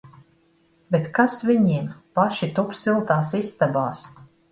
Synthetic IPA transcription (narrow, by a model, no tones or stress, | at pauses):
bet̪kasviɲimpaʃit̪upsilˠt̪aːsisːt̪abaːs